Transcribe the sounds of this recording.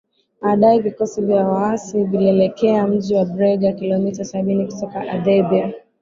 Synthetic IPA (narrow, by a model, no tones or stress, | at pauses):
ɓaɗaɛvikɔsivjawaasiviliɛlɛkɛam̩ʄiwabɾɛɡakilɔmitasaɓinikutɔkaʔadɛbia